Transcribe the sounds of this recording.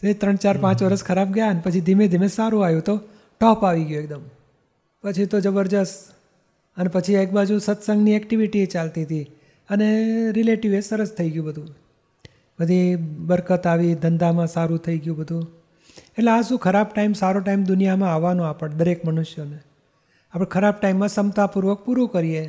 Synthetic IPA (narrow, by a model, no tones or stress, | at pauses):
t̪oet̪ɾəɳt͡ʃaɾpãt͡ʃʋəɾəskʰəɾab̚ɡjaənepət͡ʃʰid̪ʱimẽd̪ʱimẽsaɾũajũt̪o | ʈɔpaʋiɡjuek̚d̪əm | pət͡ʃʰit̪od͡ʒəbəɾd͡ʒəs | ənepət͡ʃʰiekbad͡ʒusət̪sə̃ŋɡniɛkʈiʋiʈiet͡ʃalt̪iɦət̪ʰi | əneɾileʈiʋesəɾəst̪ʰəiɡjũbəd̪ʱũ | bəd̪ʱibəɾkət̪aʋid̪ʱənd̪amãsaɾũt̪ʰəiɡjũbəd̪ʱũ | eʈleasũkʰəɾab̚ʈaimsaɾoʈaimd̪ʊnijamãaʋːanũapəɽd̪əɾekmənʊʃjəne | apəɳkʰəɾab̚ʈaimːãsəmt̪apuɾʋək̚puɾũkəɾie